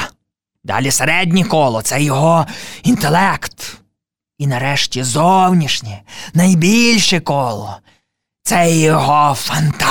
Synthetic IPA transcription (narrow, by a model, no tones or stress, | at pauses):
d̪ɑ̰lʲiseɾɛdʲnʲikɔlˠɔt̪sɛjɔɦɔint̪elˠɛkt̪ | inɐɾɛʃtʲizɔwnʲiʃnʲɛnɐjbʲilʲʃɛkɔlˠɔ | t̪sɛjɔɦɔfɐnt̪a